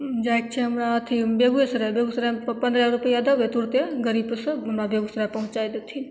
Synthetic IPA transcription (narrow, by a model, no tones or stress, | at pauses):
d͡ʒajk̚t͡ʃʰɛɦɐmɾaət̪ʰibeɡujesɾebeɡusɾɛpɐnd̪ɾaɾupəjaɐd̪əʋet̪uɾt̪eɡəɾiːbsɐ̃ɦɐmɾabeɡusɾapɐɦũt͡ʃajd̪et̪ʰi